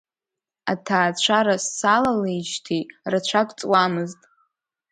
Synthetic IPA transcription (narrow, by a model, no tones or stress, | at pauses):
atʰaːt͡ɕʷʰaɾasːalalejt͡ʃtʰirat͡ɕʷʰakʷʼt͡sʼwamɨztʼ